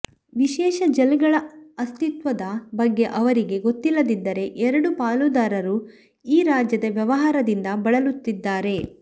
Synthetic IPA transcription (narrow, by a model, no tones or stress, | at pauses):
ʋiʃɛːʃɐd͡ʒɐliɡɐɭɐɐst̪it̪ʋɐd̪ɐbɐɡːe̞ʔɐʋɐɾiɡe̞ɡot̪ːilːɐd̪id̪ːɐɾe̞ʔɛɾɐɽupaːlud̪aːɾɐɾu | iːɾaːd͡ʒjɐd̪ɐʋjɐʋɐɦaːɾɐd̪ind̪ɐbɐɭɐlut̪ːid̪ːaːɾe̞